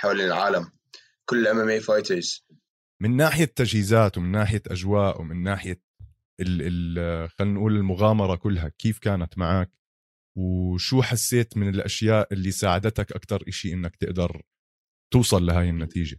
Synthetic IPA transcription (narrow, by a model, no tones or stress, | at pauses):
ħawlɪlʕaːlam | kʊlːʔamemeːfajt̪əɾz̥ | mɪnːaːħɪjat̪ːad͡ʒhiːzaːt̪wmɪnːaːħɪjaʔad͡ʒwaːʔwmɪnːaːħɪja | ɪɪxalːiːnʔuːlɪlmʊɣaːmɑɾˤɑkʊlːɦakeːfkaːnat̪maʕaːk | wʃuːħasːeːt̪mɪnɪlʔaʃjaːʔʔɪlːisaːʕad̪at̪akʔakt̪ɑɾˤʔɪʃiʔɪnːakt̪ɪʔd̪ɑɾˤ | t̪uːsˤɑlːaɦaːjɪnːat̪ʰiːʒa